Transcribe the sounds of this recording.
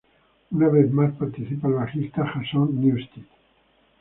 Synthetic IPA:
unaβeθmaspaɾt̪iθipalβaχist̪aχasɔ̃nnjust̪it̪

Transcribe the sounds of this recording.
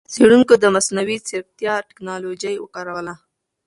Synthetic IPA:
t͡seɽuŋkod̪əmasnawit͡sɪɾ̚t̪jɑʈɪ̥knɑlod͡ʒajwəkɑɾawla

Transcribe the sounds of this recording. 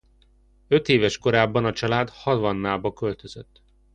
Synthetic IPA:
ø̞t̪eːvɛʃko̞ɾaːbːɒnɒt͡ʃɒlaːd̪hɒd̪vɒnːaːbɒkø̞lt̪ø̞z̥øt̪ː

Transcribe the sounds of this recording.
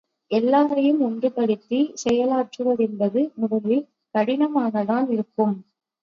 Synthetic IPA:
ʔɛlːaːɾɐjɯmɔndrɯpɐɽɪt̪ːisɛjɐlaːʈrɯʋɐðɛnbɐðɯmʊðɐlɪl | kɐɽɪnɐmaːɣɐðaːnɪɾɯkːɯm

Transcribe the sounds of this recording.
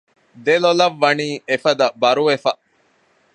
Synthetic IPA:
d̪elolɐʋːɐniːʔefɐd̪ɐbɐɾuʋefɐ

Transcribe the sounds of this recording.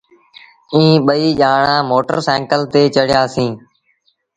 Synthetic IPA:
ĩːɓəiːʄaːɳãːmoːʈə̰ɾsɛ̃ːŋkəlt̪eːt͡ʃəɽjaːsĩː

